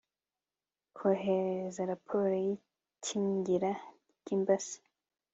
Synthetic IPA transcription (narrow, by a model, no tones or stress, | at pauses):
kʰoɦeɾezaɾapʰoɾoji | cʰiɲɟiɾa | ɟimbasi̥